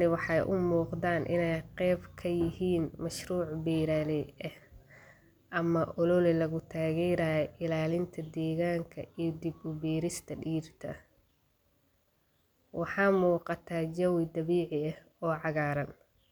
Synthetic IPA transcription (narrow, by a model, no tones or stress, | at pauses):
ɪwɑħɑjʔʊmuːqðaːnʔɪ̰nɛjqɛːbkʰɐjɪɦiːnmɐʃruːʕbiːɾaːlɛɛh | ʔɐmɐʔɔlɔlɛlɐɣʊt̪ʰaːɣɛːɾaːjɛʔɪlaːlɪnt̪ʰɐd̪ɛːɣaːŋkʰɐ̰iːd̪ɪbʊbiːɾɪst̪ʰɐɖiːrt̪ʰɐ̰ | wɑħɑːmuːqɑt̪ʰaːd͡ʒɐwɪd̪ɐβiːʕɪɐh | ɔːʕɑɣaːɾɐn